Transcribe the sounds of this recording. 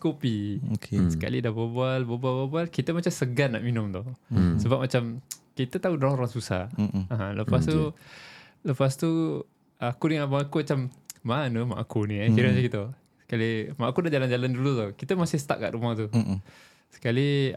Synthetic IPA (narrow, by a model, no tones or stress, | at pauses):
kopiokʰesəka̰lidabəbualbəbalbabalkit̪əmat͡ʃamsəɡanna̰ʔminʊmt̪ɔhsəbap̚mat͡ʃamkit̪ət̪audaɾaŋoɾaŋsusa̰haləpast̪u | ləpast̪u | akuniŋabaŋakumat͡ʃamːanuma̰ʔakunĩkiɾamat͡ʃakit̪ə | sə̥kalimaʔakudad͡ʒaland͡ʒalandulut̪ohkit̪əmasɪsə̥t̪a̰ʔkːa̰ʔɾumat̪u | sə̥kali